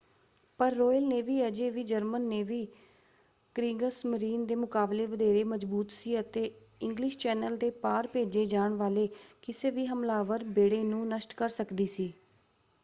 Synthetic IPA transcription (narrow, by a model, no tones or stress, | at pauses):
pəɾːoːjəlneːʋiːəd͡ʒeːʋiːd͡ʒəɾmənːeːʋiː | kɾiːɡəsməɾiːnd̪eːmʊkaːbleːʋəd̪eːɾeːməd͡ʒbuːt̪siːət̪eː | ɪŋɡlɪʃt͡ʃɛːnəld̪eːpaːɾpeːd͡ʒeːd͡ʒaːɳʋaːleːkɪseːʋiːɦəmlaːʋəɾbeːɽeːnũːnəʃʈkəɾsəkd̪iːsiː